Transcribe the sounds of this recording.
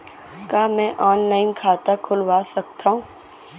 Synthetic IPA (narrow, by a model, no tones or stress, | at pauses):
kjaːmɛ̃ːʔaːnlaːɪnkʰaːt̪akʰʊlʋaːsɐk̚t̪aɦũː